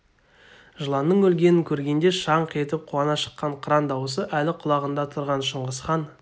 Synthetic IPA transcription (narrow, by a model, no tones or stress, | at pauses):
ʒəlˠɑnːəɴwɵlɡʲe̞nɪŋkʲʰɵɾɡʲe̞nd̪e̞ʃɑɴqʰet̪ɪp̚qʰuɑnɑʃə̥qːɑɴqʰəɾɑnd̪ɑwəs̬əʔælɪqʰʊlˠɑʁənd̪ɑt̪ʰʊɾʁɑnʃəɴʁəsχɑn